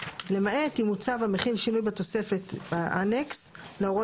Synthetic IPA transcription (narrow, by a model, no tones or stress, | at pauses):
le̞maet̪imut͡savameχilʃinujbat̪o̞se̞fe̞t̪baʔaneks | leoʁo